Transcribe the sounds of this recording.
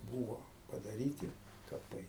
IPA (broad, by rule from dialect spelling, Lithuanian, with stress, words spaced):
ˈbuːʋoː pɐdɐˈrʲiːtʲɪ kɐˈpɐɪ